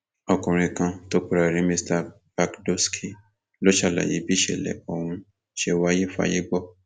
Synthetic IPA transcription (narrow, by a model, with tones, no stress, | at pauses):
ɔ˨kũ˨ɾ̃ĩ˧kã˧to˦k͡pu˦ɾa˨ɾĩ˨˦mĩ˦sta˧ | ba˧kdo˦skʰi˨ | lo˦ʃa˦˨la̰˨jḭ˨˦bi˦ʃe˦˨lɛ̰˨o˨hũ˧ | ʃe˧wa˦je˦fa̰˦je˦ɡ͡bɔ˦˨